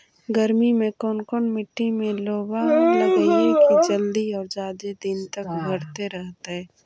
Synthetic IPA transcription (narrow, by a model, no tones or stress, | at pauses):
ɡəɾmimẽkɔːnkɔːnmɪʈːimẽloːbaləɡəiɦɛ̃kid͡ʒəld̪iɔːɾd͡ʒaːd̪ed̪ɪnt̪əkbʱɐɾt̪eɾɛɦt̪eɦɛ̃ː